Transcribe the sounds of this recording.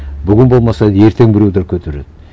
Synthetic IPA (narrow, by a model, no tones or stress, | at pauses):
bʏɡʲɪnbo̞lˠmɑsɑd̪je̞ɾt̪ʰe̞ŋbɪɾewd̪eɾkʲʰɵt̪ʰeɾḛd̪ɪ